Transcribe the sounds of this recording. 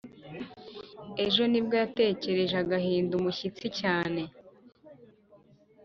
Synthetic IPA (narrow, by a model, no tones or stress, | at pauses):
e̞ʒo̞nibɡojate̞ːce̞ɾe̞ʒaɡaɦiːndumuçit͡sicaːne̞